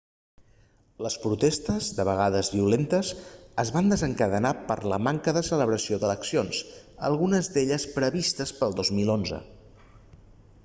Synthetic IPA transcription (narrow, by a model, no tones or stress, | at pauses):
ləspɾut̪est̪əzd̪əβəɣaðəzβiulent̪əzəzβand̪əzəŋkəðənapə̰ɾləmaŋkəðəsələβɾəsioðələksionsə̰lˠɣunəzd̪eʎəspɾəβist̪əspəlˠd̪ozmilˠonzə̰